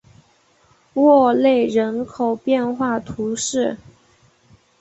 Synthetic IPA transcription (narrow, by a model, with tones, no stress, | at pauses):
wɔ˥˧le˥˩ɪɻə˧˥nkʰo˨˩ʊpjɛ˥˧nxwa˥˩t̪ʰu˧˥ʂɻ̩˥˩